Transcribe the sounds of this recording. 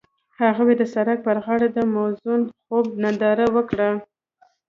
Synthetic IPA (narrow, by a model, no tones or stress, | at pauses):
haɣawed̪əsaɾak̚pəɾɣɑɽad̪əmawzunxob̚nad̪ɑɾawəkɽə